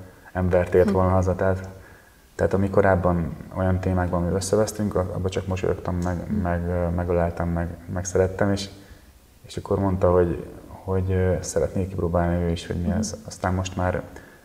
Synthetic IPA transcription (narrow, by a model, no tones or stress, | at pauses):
ɛɱbɛrt̪eːlt̪ʋo̞lnɒɦɒzɒt̪ɛːt̪ | t̪ːɛːt̪ɒmiko̞ɾaːbːɒno̞̰jɒnt̪eːmaːɡbɒmyøsːɛvɛst̪yŋkɒ̰bːɒt͡ʃɒkmo̞ʃo̰o̰kt̪ɒmːɛɡmɛɡmɛɡɒlɛːlt̪ɛmːɛɡmɛksɛɾɛt̪ːɛmeːʃ | eːʃɒkʰːo̞rmo̞nt̪ɒɦo̞ɟho̞ɟsɛɾɛt̪neːkːiproːbaːlniøːiʃho̰ɟmiɛzɒst̪aːnmo̞ʃt̪maːr